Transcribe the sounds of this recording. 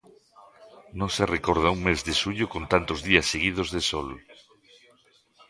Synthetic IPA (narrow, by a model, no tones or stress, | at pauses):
nõserekoɾð̞auŋmezðeʃuʎʊkõnt̪ant̪ozðiasːeɣ̞ið̞ozðesɔl